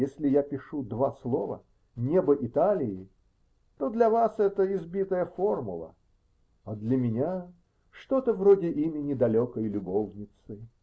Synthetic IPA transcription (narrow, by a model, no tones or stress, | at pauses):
jesʲlʲɪjapʲɪʂud̪vaslˠo̞və̰ | nʲebəʔɪt̪alʲɪɪ | t̪o̞d̪lʲɐvasɛt̪əɪzbʲit̪əjəfo̞rmʊ̰lˠə̰ | ɐd̪lʲəmʲɪnʲa | ʂt̪o̞t̪əvrodʲɪʔimʲɪnʲɪd̪ɐlʲokəjlʲʊbovnʲɪt̪sɨ